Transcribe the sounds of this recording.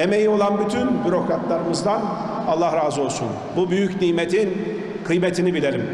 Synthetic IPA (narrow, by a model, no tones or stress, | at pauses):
emejio̞lˠanbyt̪ʰynbyɾo̞kɾat̪lˠaɾɯmɯzd̪an | alˠːahɾaːzɯo̞lˠsun | bubyjycnijmet̪ʰin | kʰɯjmet̪ʰinibilʲe̞ɾim